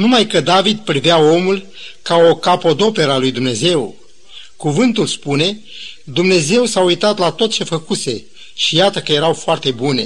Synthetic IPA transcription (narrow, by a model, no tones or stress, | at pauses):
numajkəd̪avid̪pɾiveao̞mul | kao̞kapo̞d̪o̞pe̞ɾalujd̪umne̞ze̞w | kuvɨnt̪ulspune̞ | d̪umne̞ze̞wsaujt̪at̪lat̪o̞t̪̚t͡ʃe̞fəkuse̞ | ʃijat̪əkəje̞ɾawfoart̪e̞bune̞̰